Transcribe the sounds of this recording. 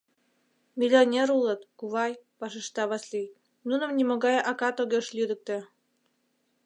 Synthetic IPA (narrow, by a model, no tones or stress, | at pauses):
mʲilʲonʲeɾulɤ̆t̪kuβɑjpɑʃə̆ʃt̪ɑβɑslʲij | nunə̆mnʲimoɣɑjɑkɑt̪oɣeʃlʲyd̪ə̆k̚t̪ĕ